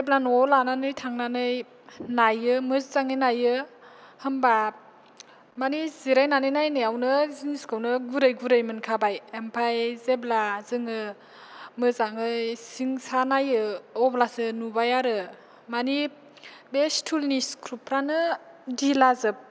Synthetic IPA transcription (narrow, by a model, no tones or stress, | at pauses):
zeblanɔlananɯjtʰaŋnanɯj | najɯmɯzzaŋɯjnajɯ | hɯmba | maniziɾajnanɯjnajnɯjawnɯziniskʰɯwnɯɡuɾɯjɡuɾɯjmɯnkʰabajempʰajzeblazɯŋɯ | mɯzaŋɯjsiŋsanajɯɔblasɯnubajaɾɯ | mani | bestʰulniskʰɾupʰɾanɯ | dilazɯp̚